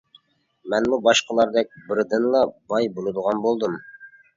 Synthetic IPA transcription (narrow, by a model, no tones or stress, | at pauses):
mɛnmubɑʃqəlˠɑɾd̪ɛk̚ʲbɪɾd̪ɪnlˠɑbɑjbolˠɨd̪əʁɑnbolˠd̪ɨm